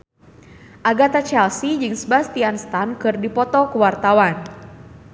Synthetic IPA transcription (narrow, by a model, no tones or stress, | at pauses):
ʔaɡat̪at͡ʃɛlsid͡ʒɨŋsəbast̪ianst̪ankɨrdipɔt̪ɔkuwart̪awan